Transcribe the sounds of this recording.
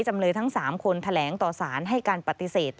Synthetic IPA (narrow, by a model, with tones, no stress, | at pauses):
t͡ɕa˧mlɤː˧nt̪ʰa˦˥ŋsaː˩˦mkʰo˧nt̪ʰa˧lɛː˩˦ŋt̪ɔː˨˩saː˩˦nɦa˥˩jkaː˧npa˨˧˩t̪i˨˧˩seː˨˩t̪̚